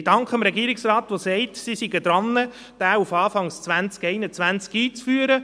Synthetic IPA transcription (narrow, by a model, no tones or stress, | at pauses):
d̥ɑŋkχəmɾɛɡiːəɾɪksrɑːt̪ʋosɛɪtsisiɡəd̥̪ɾɑnːə | d̥æːufɑːfɑŋst͡sʋænt͡skɛɪnət͡sʋænt͡skiːt͡sfyːəɾə